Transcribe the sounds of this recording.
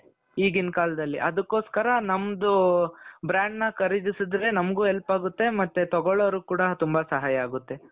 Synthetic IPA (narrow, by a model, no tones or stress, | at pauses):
iːɡinkaːlɐd̪ɐlːḭʔɐd̪ɐkːo̞ːskɐɾɐnɐmːɐd̪u | bɾaːɳɖnɐkɐɾid͡ʒ̪isid̪ɾe̞nɐmɡuːɛlpaːɡut̪ːe̞mɐt̪ːet̪ɔɡɔɭoʋɾuːkuːɽɐt̪umbɐsɐɦaːjɐaːɡut̪ːe̞